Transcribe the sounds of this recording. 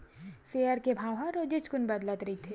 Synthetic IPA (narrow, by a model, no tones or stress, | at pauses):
seəɾkebʱaːʋɦaɾoːd͡ʒɪt͡ʃkʊnbɐd̪lət̪ɾɐɦit̪ʰe